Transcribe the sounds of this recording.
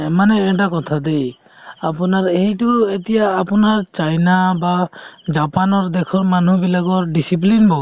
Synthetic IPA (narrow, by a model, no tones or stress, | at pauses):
manɛɛʈ̬akɔt̪ʰad̪ej | apɔnaɾeɦituet̪ijaːpɔnaɾt͡ʃajnabad͡ʒapanɔɾd̪ɛkʰɔɾmanubilaɡɔɾɖisip̬linbɔ